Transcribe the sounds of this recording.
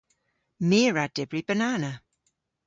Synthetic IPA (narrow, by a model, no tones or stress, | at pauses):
miːɹad̥ɪbɹibənaːna